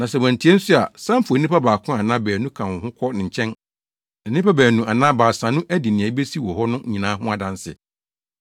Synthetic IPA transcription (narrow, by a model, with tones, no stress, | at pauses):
nã˨sɛ˨wæ̃˨n˨tʰi˨˦ɛ˦n̩˦sʊ˦a˨sã˦m̩˦fu˨˦nɪ̃˦pʰa˦baː˨kʰʊ̃˦a˨nã˦bæː˨nũ˦kʰã˨hʊ̃˦kʰɔ˦nɪ̃˨ɲ̩˨t͡ɕʰɛ̃˦n | ɛ˨nɪ̃˦pʰa˦bæː˨nũ˨a˨nã˦baː˨sã˨nʊ̃˦ʔæ˦di˨nɪ̃˨ɛ˨˦be˦si˦wɔ˨hɔ˦nʊ̃˦˨ɲĩ˨nãː˨˦ɦʊ̃˦a˨dã˨n˦sɪ̰˨